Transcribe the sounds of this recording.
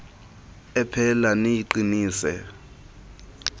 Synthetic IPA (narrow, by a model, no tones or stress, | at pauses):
ɛpʰɛlanejiǃiniːsɛ